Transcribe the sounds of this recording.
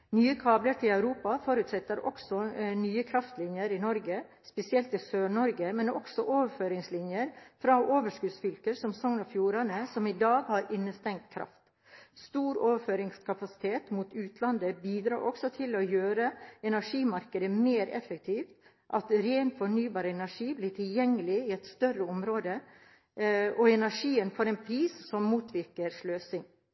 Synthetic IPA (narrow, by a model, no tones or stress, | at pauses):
nyːəkʰɑːbləɾʈ̪ʰɪlæʉɾuːpɑfɔɾʉːt̪sɛt̪ːəɾʔɔ̰ksɔnyːəkʰɾɑft̪lɪnjəɾɪnɔɾɡə | spɛsɪɛlt̪ɪsøːɳɔɾɡəmɛnɔ̰ksɔʔoːʋəɾføːɾɪŋslɪnjəɾfɾɑʔoːʋəʂkʉːd̪sfʏlkəɾsɔmsɔŋnɔfjuːɾɑnəsɔmɪd̪ɑːɡhɑɾɪnːəst̪ɛŋt̪̚kʰɾʔɑ̰ft̪ | st̪uːɾoːʋəføːɾɪŋskʰɑpɑsɪ̥t̪ʰeːt̪mut̪ʉːt̪ʰlɑnd̪əbiːd̪ɾɑ̰ːɾʔɔksɔt̪ʰɪlɔjøːɾəɛnæʂiːmɑɾkəd̪əmeːɾɛ̰fːək̚t̪ʰiːft̪ | ʔɑt̪ɾeːnfɔɳyːbɑːɾəɛnæʂiːblɪʈʰɪljɛŋːəlɪɪɛt̪st̪œrəɔmɾoːd̪ə | ɔɛnæʂiːənfɔːɾɛɪnpʰɾiːssɔmːuːt̪ʰʋɪɾkəɾʂløːsɪŋ